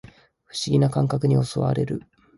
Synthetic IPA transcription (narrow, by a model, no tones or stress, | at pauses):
ɸɯ̟̥ɕiɡʲinakãŋkakɯ̟ɲ̟io̞so̞̰βa̰ɾe̞̰ɾɯ̟